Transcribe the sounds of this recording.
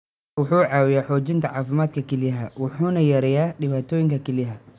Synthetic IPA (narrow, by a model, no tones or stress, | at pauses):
wʊħuːʕɑːwɪjaːħɔːt͡ʃɪnt̪ʰɐʕɑːfɪmaːd̪̚kʰɐkʰɛlɪjɦɐwʊħuːnɐjɐɾɛjaːɖɪβaːt̪ʰɔːjɪŋkʰɐkʰɛliɦɐ